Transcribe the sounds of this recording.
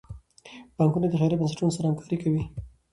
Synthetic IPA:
b̥ɑŋkunad̪əxɑɾibansḁʈunosaɾahamkɑ̥ɾikawi

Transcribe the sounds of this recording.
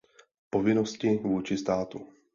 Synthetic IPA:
po̞vɪnoscɪvuːt͡ʃɪst̪aːt̪u

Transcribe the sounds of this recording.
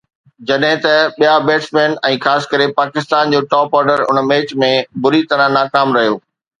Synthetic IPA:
d͡ʑɐɗɦɪ̃t̪ɐɓijabeːʈsmẽːnɛ̃ːxaːsɪ̥̆kɐɾepaːkɪst̪aːnd͡ʑoːʈɔːpɔːɾɖəɾʊ̰nəmeːt͡ɕmẽbʊɾit̪ɐɾə̃naːkaːmɾɐɦijoː

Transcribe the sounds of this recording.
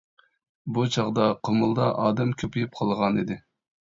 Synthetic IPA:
but͡ʃʰɑʁd̪ɑqʰomulˠd̪ɑʔɑːd̪ɛmkʲʰøpʰijyp̚qʰɑlˠʁɑnid̪ɪ

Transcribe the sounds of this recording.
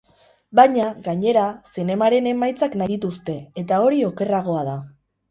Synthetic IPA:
baɲaɣaɲe̞ɾasine̞maɾe̞ne̞majt͡saknajit̪ust̪e̞et̪ao̞ɾio̞ke̞raɣ̞o̞að̞a

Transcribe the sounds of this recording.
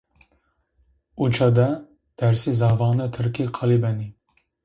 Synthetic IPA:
ut͡ʃʰɑd̪ɛ | d̪̥ɛɾsizɑːvɑːnɛt̪ʰɨɾkiqʰɑlibɛni

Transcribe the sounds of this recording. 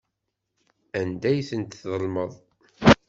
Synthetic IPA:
ænd̪æjθənt̪θðəlməðˤ

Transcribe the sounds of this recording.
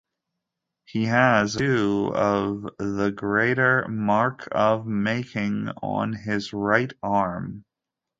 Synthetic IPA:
hiɨzʉʌvðəɡɹeɪɾə˞mɑɹkʰʌvmeɪkʰɪ̃ŋə̰̃nɪzɹaɪɾɑɹm

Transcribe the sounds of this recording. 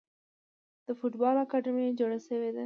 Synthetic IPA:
d̪̥əfuʈbɑlakaɖɪmied͡ʒoɽaʃəwed̪a

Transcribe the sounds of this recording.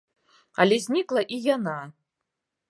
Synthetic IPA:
alʲezʲnʲikʼlˠaʔijana

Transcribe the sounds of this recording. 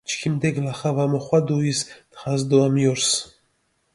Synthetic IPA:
t͡ʃkʰimd̪ɛɡlaχavamɔχwad̪uist̪χazd̪uamjɔɾs

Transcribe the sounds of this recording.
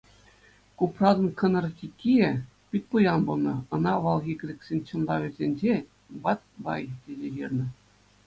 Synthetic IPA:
kuprɑd̪ɤ̆nkʰɤ̆nɤ̆rtʲikʲʰːie | pʲit̪̚ʲpujɑnbulˠnɤ̆ɤ̆nɑʋɑlˠɣʲikʲɘ̆ɾʲĕkʲsʲenʲt͡ɕɤ̆nlˠɑʋʲĕzʲenʲd͡ʑe | bɑt̪̚ʲbɑ̰jt̪ʲezʲejirʲnɤ̆

